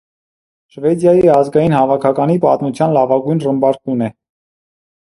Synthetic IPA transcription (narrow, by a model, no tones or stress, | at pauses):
ʃvɛd̪jɑjiɑzɡɑjinɦɑvɑkʰɑkɑnipɑt̪mut͡sʰjɑnlɑvɑɡujnrəmbɑɾkʰunɛ